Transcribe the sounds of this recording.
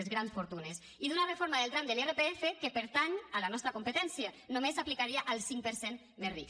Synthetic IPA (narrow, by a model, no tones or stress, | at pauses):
ezɣɾansfoɾt̪unes | iðunarefoɾmaðelˠt̪ɾand̪elerepeefekepeɾt̪aɲalanɔst̪ɾəkumpet̪ɛnsjia | nomesaplikaɾiaʔalˠsiŋk̚pəɾsen | merik